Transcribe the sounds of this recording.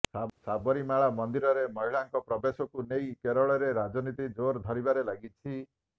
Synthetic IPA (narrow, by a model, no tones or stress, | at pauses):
asabɔɾimaɭamɔnd̪iɾɔɾemɔɦiɭaŋkɔpɾɔbesɔkunejkeɾɔɭɔɾeɾad͡ʒɔnit̪id͡ʒoɾd̪ʱɔɾibaɾelaɡit͡ʃʰi